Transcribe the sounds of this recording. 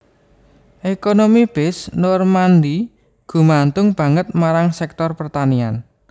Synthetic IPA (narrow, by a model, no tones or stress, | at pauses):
ʔekonomib̥ɪsnɔrmand̪i | ɡ̥ṳmant̪ʊŋb̥a̤ŋət̪̚maɾaŋsɛk̚t̪ɔrpərt̪anian